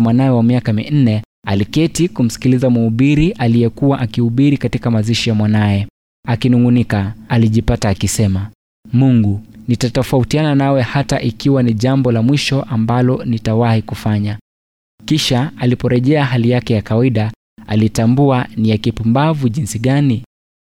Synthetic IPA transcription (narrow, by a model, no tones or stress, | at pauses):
mwanajɛwamiakamin̩nɛ | alikɛtikum̩si̥kilizamuuɓiɾiʔalijɛkuwaʔakihuɓiɾikatikamaziʃijamwanajɛ | akinuŋɡunikaaliʄipataːkisɛma | muŋɡunitatɔfautiananawɛhataʔikiwaniʄambɔlamwiʃɔʔambalɔnitawahikufaɲa | kiʃaalipɔɾɛʄɛaɦalijakɛjakawaiɗa | a̰litambuanijakipumbavuʄinsiɠani